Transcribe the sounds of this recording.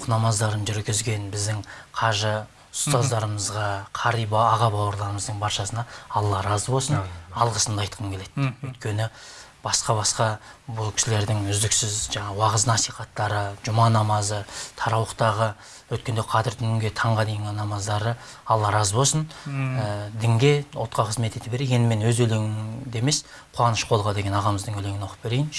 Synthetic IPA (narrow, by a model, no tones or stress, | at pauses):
nɑmɑzd̪ɑɾənʒʏɾɡʲɪzɡʲe̞nbɪzd̪ɪŋqʰɑʒə | ʊst̪ɑzd̪ɑɾəməzʁɑqʰɑɾijbɑʁɑbɑwəɾlˠɑɾəməzd̪əɴbɑɾʃɑsənɑɑlˠːɑɾɑzbo̞lsənɑlˠʁəsənd̪ɑjt̪̚qʰəmkʰe̞le̞t̪wɵjt̪̚kʲʰe̞nɪ | b̥ɑsqɑbɑsqɑbʊlˠkʲʰɪ̥ʃɪle̞ɾd̪ɪŋʏzd̪ɪksɪzʒɑɴɑwɑʁəznɑsijχɑt̪ːɑɾəʒʊmɑnɑmɑzət̪ʰɑɾɑwəqt̪ɑʁə | wɵt̪kʲend̪eqʰɑt̪ɪɾt̪ʰʏnɪŋɡʲe̞t̪ʰɑɴʁɑd̪e̞jɪŋɪnɑmɑzd̪ɑɾə | ɑlˠːɑɾɑzbo̞lˠsənəd̪ɪŋɡʲe̞o̰t̪̚qʰɑqʰəzme̞t̪e̞t̪ɪbe̞ɾejend̪ɪmenwɵzɵle̞ŋɪd̪eme̞s | qʰʊlˠɑnəʃqʰo̞lˠʁɑd̪e̞ɡʲe̞nɑʁɑməzd̪əŋɵle̞ŋɪnwo̞qʰəp̚be̞ɾejɪn